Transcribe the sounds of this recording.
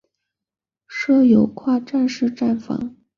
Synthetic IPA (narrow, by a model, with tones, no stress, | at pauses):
ʂɤ˥jo˨˥ʊkʰwa˥˧ʈ͡ʂa˥˧nʂɻ̩˥˧ʈ͡ʂa˥˩nfɑ̰˧˥ŋ